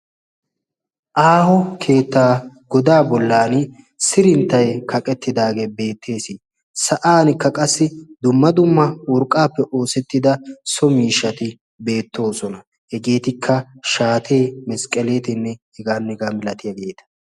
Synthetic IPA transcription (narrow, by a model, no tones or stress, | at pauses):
ʔaːɦɔkʰe̞ːt̪ːaːɡ̥ɔd̪aːbɔlːaːn | sɪɾɪnt̪ːɐjkʰɐkʼɛt̪ːɪd̪aːɡe̞ːbe̞ːt̪ʰːe̞ːsɪ | sɐʔaːnkːɐkʼɐsːɪd̪ʊmːɐd̪ʊmːɐwɔɾkʼːaːpːɛʔo̞ːsɛt̪ːɪd̪ɐsɔmiːʃːɐt̪ɪ | be̞ːt̪ːo̞ːsɔnɐ | hɛɡe̞ːt̪ɪkʰːɐʃaːt̪ʰeːmɛskʼːɛleːt̪ɪnːɛhɛɡaːnːɛɡɐmɪlɐt̪ɪjɐɡe̞ːt̪ɐ̥